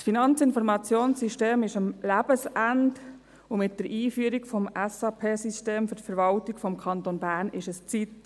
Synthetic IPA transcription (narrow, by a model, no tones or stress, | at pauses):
sfinɑnt͡sɪnfɔɾmɑt͡sjoːnsiʃteːmɪʃəmlæb̥əsænd | ʊmɪt̚d̥əɾʔiːfyəɾikfɔmɛsɑːpʰeːsisteːmfʏɾtfəɾʋɑltikfɔmkʰɑnt̪onbæːɾnɪʃəst͡sit